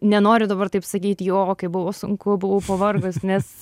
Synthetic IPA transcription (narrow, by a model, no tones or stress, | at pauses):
nʲɛnoːɾʲʊd̪ɐbɐrt̪ɐɪpsɐkʲiːt̪ʲjoːkɐɪbʊʋoːsʊŋkʊbʊʋɐʊpɐʋɐrɡʊsnʲɛs